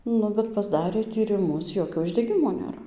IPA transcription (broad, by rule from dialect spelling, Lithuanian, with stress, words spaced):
ˈnʊ bʲɛt pɐzˈdɑːrʲeː tʲiːrʲɪˈmʊs ˈjoːkʲoː ʊʒʲdʲɛˈɡʲɪmoː nʲeːˈrɐ